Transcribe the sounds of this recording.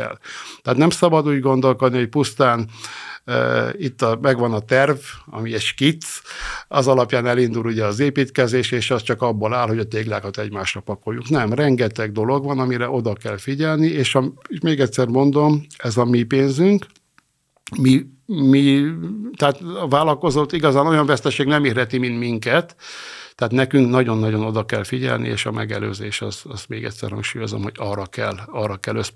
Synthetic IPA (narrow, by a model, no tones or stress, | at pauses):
ɛ̰lt̪ɛat̪nɛmsɒbɒd̪uːɟɡo̞nd̪o̞lko̞d̪nioc̚pust̪aːn | it̪ːɒmɛɡʋɒnɒt̪ɛrvɒ̰miɛʃkit̪sɒzɒlɒpjaːnɛlind̪uluɟɛɒzeːpiːt̪kɛzeːʃeːʃɛst͡ʃɒkɒbːolaːlɦho̞ɟɒt̪eːɡlaːkɒt̪ɛɟmaːʃrɒpɒko̞jːuŋknɛmrɛŋɡɛt̪ɛɡ̚d̪o̞lo̞ɡʋɒnɒmiɾɛʔo̞d̪ɒkɛlfiɟɛlnieːʃɒmeʃmeːɡɛcʲsɛrmo̞nd̪o̞mɛzɒmipeːnzyŋk | mi | mi | t̪ɛat̪ːvaːlɒko̞zot̪ːiɡɒzaːno̞jɒɱvɛst̪ɛʃeːɡnɛmeːrɦɛt̪imint̪miŋkɛt̪ːɛaːt̪nɛkyŋknɒɟo̞nːɒɟo̞no̞d̪ɒkɛlfiɟɛ̰lnḭḛːʃɒmʔɛɡɛ̰lø̰ːzeːʃɒ̰zɒst̪meːɡɛ̰t̪ʲsɛ̰rhɒ̰ŋkʃuːjo̞zo̰mho̰ɟɒrɒkɛlːɒrːɒkɛlːøs